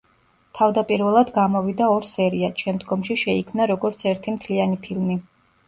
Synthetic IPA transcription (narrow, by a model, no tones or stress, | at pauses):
t̪ʰavd̪apʼiɾvɛlˠad̪ɡamɔvid̪aɔɾsɛɾiat̪ʃɛmd̪ɡɔmʃiʃɛikʰmnaɾɔɡɔɾt̪sʰɛɾt̪ʰimt̪ʰlianipʰilmi